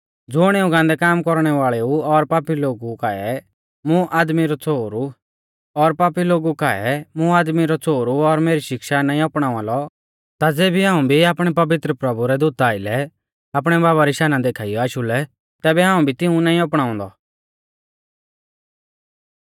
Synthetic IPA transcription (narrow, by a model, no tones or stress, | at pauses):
d͡zʊɽ̃eːũɡãːnd̪ɛkaːmkɔɾɽ̃ɛʋaːɭɛuɔɾpaːpiloːɡukaɛ | mũʔaːd̪miɾɔt͡soːɾu | ɔɾpaːpiloːɡukaɛmũaːd̪miɾɔt͡soːɾuɔɾmeːɾiʃɪkʃanãːĩɔpɽ̃aːãlɔ | t̪ad͡zeːbiɦãːũbʱiaːpɽ̃ɛpɐʋɪt̪ɾəpɾɐbuɾɛd̪ʊt̪aːɪlɛ | aːp̬ɽ̃ɛbaːβaɾiʃaːnãd̪eːkʰaːijɔaːʃulɛ | t̪ɛːbɛɦãːũbʱit̪ɪ̃ũnãːĩɔpɽ̃ãːʊ̃ːnd̪ɔ̰